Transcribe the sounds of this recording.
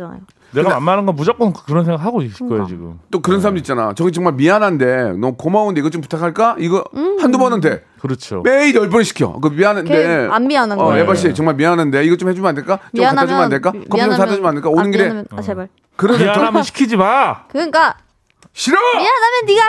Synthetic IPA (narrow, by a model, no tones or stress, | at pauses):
a̰j | neɯɡadeanmanɯnɡʌnmud͡ʑak͈onɯkḁkɯɾʌnsʰeŋɡahaɡoisɯ̥kʌjo̰t͡ɕiɡɯ̰mt͈okɯɾʌnsʰaɾamd̪uitt͡ɕ͈ana̰t͡ɕʌɡit͡ɕʌŋmaɭmianande̞nʌmʌkomaundeiɡʌt͡ɕompu̥tʰakʰaɭk͈aiɡʌhandumʌnɯnde̞ | kɯɾʌt͡ɕʰo̰me̞iɾjʌɭp̬͈uɾɕʰi̥kʰijo̰kɯmianɯndeanmianaʌebaɕ̬͈ʰiet͡ɕʌŋmaɭmianande̞iɡʌt͡ɕ͈omhed͡ʑumandeɭk͈aopʰːad͡ʑumnadeɭk͈akʌit͡ɕomsʰad͡ʑʌd͡ʑumanɯɭk͈aonɯnɡiɾeeba | kɯɾʌnʰaamɕʰi̥kʰid͡ʑimakɯk͈a | ɕʰiɾaianamjʌnːiɡa